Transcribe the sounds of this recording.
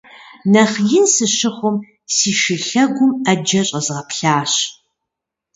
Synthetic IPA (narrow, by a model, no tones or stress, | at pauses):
nɐχjɪnsɨɕɪχʷʊm | siːʃɪɬɐɡʷʊmɐd͡ʒɐɕʼɐzʁɐpɬaːɕ